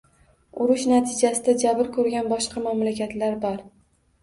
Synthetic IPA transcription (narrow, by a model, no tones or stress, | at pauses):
ʊɾʊʃnat̪ʰɪd͡ʒasɪd̪ad͡ʒabɪɾkʰɵɾɡʲanbɒʃqɑmamlakʲat̪laɾbɒɾ